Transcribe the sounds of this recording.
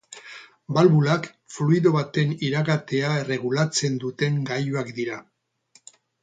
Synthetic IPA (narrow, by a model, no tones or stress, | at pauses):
balβulak | fluiðo̞βat̪e̞niɾaɣat̪e̞ae̞re̞ɣ̞ulat͡se̞nd̪ut̪e̞ŋɡajuakd̪iɾa